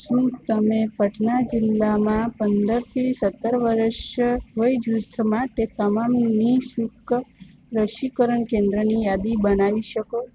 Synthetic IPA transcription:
ʃũt̪əmepəʈʰnad͡ʒɪlːamãpənd̪əɾt̪ʰisət̪ːəɾʋəɾəʃɦoid͡ʒut̪ʰːəmãʈet̪əmamnisuk | ɾəʃikəɾəɳkẽnd̪ɾənijad̪ibənaʋiʃəko

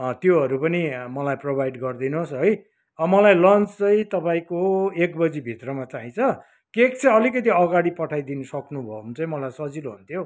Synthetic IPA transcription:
ʌt̪joɦʌɾupʌnimʌlajprobʱajɖɡʌrd̪inosɦʌj | ʌmʌlajlʌnt͡st͡sʌĩt̪ʌpaĩkoekbʌd͡zibʱit̪rʌmat͡saɦĩt͡sʰʌ | kekt͡sʌʌlikʌt̪iʌɡaɽipʌʈʰajd̪inʌsʌknubʱʌmt͡sʌ̃ĩmʌlajsʌd͡ziloɦunt̪ʰjo

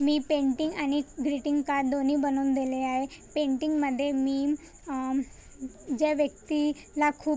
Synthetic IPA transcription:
miːpẽɳʈiŋɡañiɡɾiʈiŋɡkaɾd̪oniːbənuːnd̪eleaɦepeɳʈiŋɡməd̪ʱːjemiː | d͡ʑeʋjək̚t̪ilakʰuːp

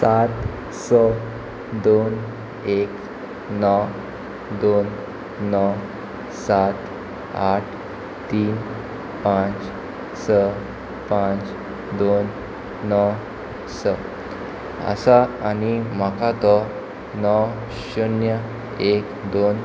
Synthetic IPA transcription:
sat̪ | sə | d̪on | ek | nɔw | d̪onː | ɔ | sat̪ | aʈʰ | t̪iːn | pãt͡s | sə | pãt͡s | d̪onː | ɔ | sə | ə̰saanimakat̪ɔ | nɔ | ɕunjə | ekd̪on

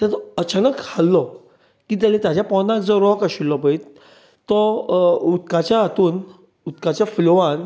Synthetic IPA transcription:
t̪at̪ɔət͡ɕʰanəkʰalːɔ | kiːt̪alẽt̪jat͡ɕjapɔnãkd͡zɔɾɔkaɕilːɔpait̪ | t̪ɔut̪̚kat͡ɕjaːt̪uːn | ut̪kat͡ɕjafloʋãn

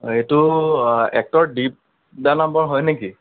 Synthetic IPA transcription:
ejtu | ɛk̚tɔɹdip̚ | danambɔɹɦɔjneki

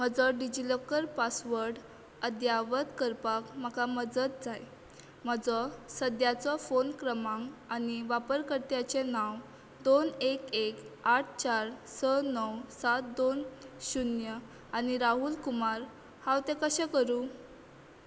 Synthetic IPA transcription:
m̤əd͡zɔɖid͡ʑilɔkːəɾpasʋəɾɖ | əd̪jaʋət̪kəɾpakm̤akaməd͡zət̪̚d͡zaj | m̤əd͡zɔsəd̪jat͡sɔfonkɾəmãŋɡaniʋapəɾkəɾt̪jat͡ɕenaw | d̪onekekaʈ̚ʰt͡ɕaɾsənɔwsat̪̚d̪onɕunjə | añiɾaɦulkumaɾ | hãwt̪ekəɕɛkəɾuː

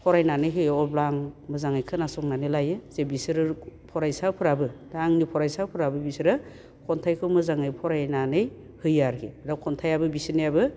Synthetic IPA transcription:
pʰɔɾajnanɯjɦɯjɔblaŋmɯzaŋajkʰɯnasɔŋnanɯlajɯzebisɯɾɯpʰɔɾajsapʰɯɾabɯdaŋnipʰɔɾajsawpʰɯɾabɯbisɯɾɯ | kʰɔntʰajkʰɯmɯzaŋɯjpʰɔɾajnanɯj | hɯjaɾkʰidawkʰɔntʰajabɯbisinijabɯ

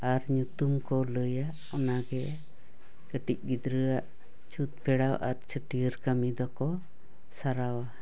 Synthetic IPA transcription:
aɾɲut̪umkɔləjaʔ | ɔnaɡɛ | ɡ̥əʈic̚ɡid̪ɾəaʔ | t͡ʃut̪̚pɛɽawʔaɾt͡ʃʰəʈiəɾkamid̪ɔkɔ | saɾawa

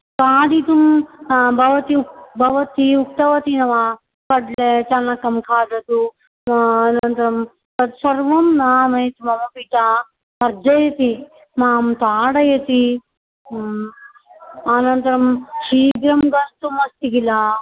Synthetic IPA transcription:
kaːɖit̪umbʱɐʋɐt̪ibʱɐʋɐt̪iuk̚t̪ɐʋɐt̪inɐʋa | kɐɖlet͡ʃɐnɐkːɐmkʰaːɖɐt̪u | nɐnt̪ɐɾɐm | tɐt̪sɐɾʋɐmnaːmɐjɐt̪imɐmɐpiʈaː | pɐɾd͡ʒɐjɐt̪i | maːmt̪aːɽɐjɐt̪i | ɐnɐnt̪ɐɾɐmʃiːɡ̪ɾɐmɡɐst̪umɐst̪iɡila

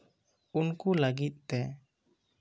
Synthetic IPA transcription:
unkuləɡit̪̚t̪ːɛ

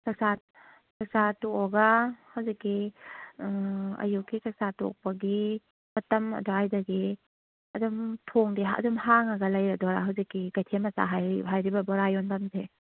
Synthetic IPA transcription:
kaksat̚ | kaksatɔɔɡahawzikːi | ɐ̰jukːikasatɔ̰k̚pɐɡi | mɐtɐmɐ̰dɔajdaɡi | ɐdumtʰɔŋdiɦɐ̰dumhaŋaɡɐlajɾadɔɾa̰ɦawzikːiɡajtʰemɐsa̰ɦajɦajɾibɐbɔɾajɔndamze

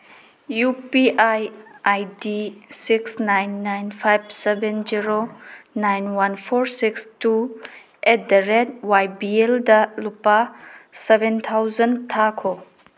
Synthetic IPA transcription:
jupiʔajajdisiksnajnːajnpʰajb̚sebenziɾonajnwanpʰoɾsikstu | et̚dɐɾed̚wajbieldɐlupːasebentʰawzɐntʰakʰo

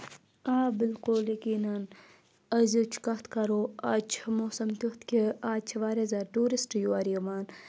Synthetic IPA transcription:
aːbɪlkoljɐkiːnɐn | ɐzot͡ʃʰkɐt̪ʰkɐɾoat͡ʃʰmoːsɐmt̪ut̪keaːt͡ʃʰɐʋaːɾezɐʈuːɾisʈjuɐɾiɐmaːn

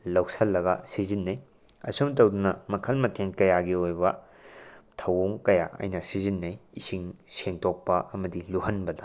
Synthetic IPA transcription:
lɐwsɐlːɐɡɐ̰sizinːɐj | ɐ̰sumt̬ɐwdunɐmɐkʰɐlmɐtʰenkɐjaɡiojbɐ | tʰɐwoŋkɐja̰ʔɐ̰jnɐsizinːɐjisiŋseŋtʰok̚pɐʔɐmɐdiluhɐnbɐdɐ

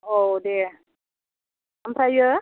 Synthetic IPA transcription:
odɛ | ampɾajə

